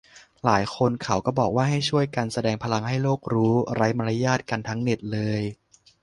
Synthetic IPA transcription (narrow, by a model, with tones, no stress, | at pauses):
laː˩˦jkʰo˧nkʰa˩˦wkɔː˥˩bɔː˨˩k̚waː˥˩ɦa˥˩jt͡ɕʰu˥˩əjka˧nsa˧dɛː˧ŋpʰa˧la˧ŋɦa˥˩jloː˥˩k̚ɾuː˦˥ɾa˦˥jma˧la˦˥jaː˥˩t̪̚ka˧nt̪ʰa˦˥ŋne˨˩t̪̚lɤː˧j